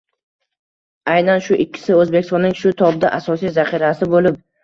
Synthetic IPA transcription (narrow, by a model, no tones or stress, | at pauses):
ajnanʃʊʔɪkʲʰːɪ̥sɪɵzbe̞kʲʰɪst̪ɒnɪŋʃʊt̪ʰɒbd̪aʔasɒsijzaχiɾasɪbolɪp̚